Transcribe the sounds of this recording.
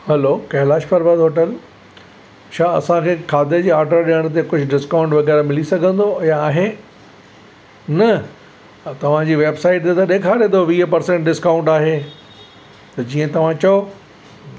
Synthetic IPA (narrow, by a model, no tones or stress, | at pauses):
hɛloːkɐɦlaːʃpɐɾbəd̪ɦoːʈəl | ʃaːɐ̰sãkʰeːkʰaːd̪əd͡ʑiːaːɾɖəɾɗiəɽ̃t̪̬ekʊd͡ʑʱʊɖɪskaːʊ̃ɳʈʋɐɣɛːɾamɪlisɐɡʱə̃nd̪ojãaːɦe | nɐ | t̪ɐʋ̤ãd͡ʑiːʋeːbsaːɪʈ̚d̪et̪ɐɗeːkʰaːɾẽt̪oʋiːɦpɐɾsẽɳʈɖɪskaːʊ̃ɳʈaːɦe | t̪ɐd͡ʑiːə̃t̪ɐʋ̤ãt͡ɕɐjo